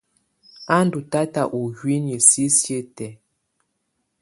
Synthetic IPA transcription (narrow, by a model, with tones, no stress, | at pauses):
a˦n˦du˨ta˦ta˦ʔu˨hwi˦njə˨si˦sje˦tɛ˨